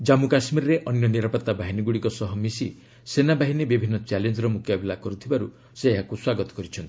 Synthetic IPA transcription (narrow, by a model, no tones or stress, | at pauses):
d͡ʒamukasmiɾɔɾeʔɔnjɔniɾapɔt̪ːabaɦiniɡuɽikɔsɔɦɔmisi | senabaɦinebibʱinːɔt͡ʃalend͡ʒɔɾɔmukjabilakɔɾut̪ʰibaɾu | seːɦakuswaɡɔt̪ɔ̥kɔɾit͡ʃʰɔnt̪i